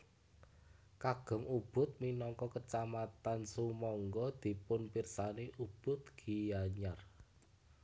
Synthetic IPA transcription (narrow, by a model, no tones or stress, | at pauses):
kaɡ̥ɔ̤ŋub̥ʊ̤t̪̚minɔŋkɔkət͡ʃamat̪ansumɔŋɡɔd̪̥i̤pʊnpirsaneʔub̥ʊ̤t̪̚ɡ̥i̤jaɲar